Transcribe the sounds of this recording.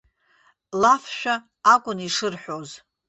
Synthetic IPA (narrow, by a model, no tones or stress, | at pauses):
lafʃᶣaː | kʷʼʊniʂɨrħʷoz